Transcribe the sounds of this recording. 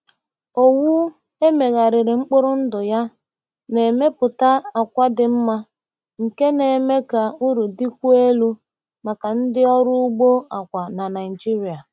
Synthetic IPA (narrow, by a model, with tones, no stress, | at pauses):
o˦wu˦ | e˦me˨ɣa˨ɾɪ˨ɾɪ˨ŋ͡m̩˦k͡pʊ˦ɾʊ˦n̩˦dʊ˨ja˦ | ne˨me˦pʊ˨ta˦a˨kʷa˦dɪ˨m̩˦ma˦ | ŋ̩˨ke˦ne˨me˦ka˨u˦ɾu˨di˦kʷu˦e˦lu˦ | ma˨ka˨n̩˦dɪ˦ɔ˦ɾʊ˦u˦ɡ͡bo˦a˨kʷa˨na˨na˨i˨d͡ʒi˦ɾi˨a˨